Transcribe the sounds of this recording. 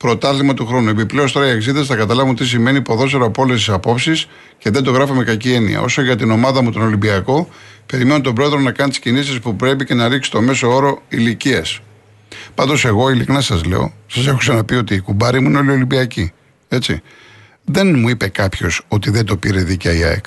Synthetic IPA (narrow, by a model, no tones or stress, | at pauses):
pɾo̞t̪ɐθimɐt̪uxɾo̞nue̞piple̞ost̪oɐieksiðɐsθɐkɐt̪ɐlɐvumt̪is̬ime̞nipo̞ðo̞se̞ɾoɐpo̞les̬t̪isɐpo̞psis | ce̞ðe̞nd̪o̞ɣɾɐfome̞kɐcie̞nḭɐ̰ʔo̞so̞ʝɐt̪ino̞mɐðɐmut̪o̞no̞limbiɐko̞pe̞ɾimenot̪o̞bɾo̞e̞ðɾo̞nɐkɐnt̪i̥scinisispupɾe̞pice̞nɐɾiksi̥t̪o̞me̞so̞o̞ɾo̞iliciɐs | pɐnd̪o̞se̞ɣo̞iliknɐsɐzlḛo̞̰sɐse̞xu̥senɐpio̞t̪iːkubɐɾimuineo̞lio̞limbiɐci | e̞t͡sḭ | ðe̞nmuipe̞kɐpço̞so̞t̪iðend̪o̞piɾe̞ðicɐiɐ̰ḛk